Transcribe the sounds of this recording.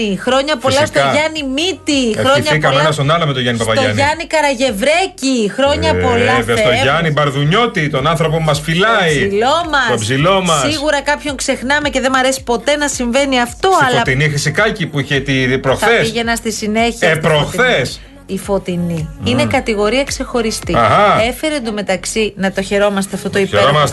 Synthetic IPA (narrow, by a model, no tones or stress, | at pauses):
ixɾo̞ɲɐpo̞lɐst̪oʝɐnimit̪iɾoɲɐikɐmenɐst̪onɐlomet̪oʝɐnipɐpɐtoʝɐ̰niʝɐnikɐɾɐʝe̞vɾe̞cixɾo̞ɲɐpolɐveɐt̪oʝɐnibɐɾðuɲo̞t̪it̪o̞nɐnθɾop̬omɐsfilɐiilo̞mɐpzilo̞mɐssiɣuɾɐkɐpço̞ŋkse̞xnɐme̞ce̞ðe̞mɐɾe̞si̥po̞t̪e̞nɐsiɱve̞niɐft̪o̞ɐloɐt̪inifisikɐcipuiçet̪ipɾoxɐθesiʝenɐst̪isine̞çiɐepɾoxθes | ifo̞t̪iniinekɐt̪iɣo̞ɾiɐkse̞xo̞ɾist̪iɣɐefeɾend̪ume̞t̪ɐksinɐt̪o̞çe̞ɾo̞mɐst̪eɐft̪o̞t̪oipeeɾomɐs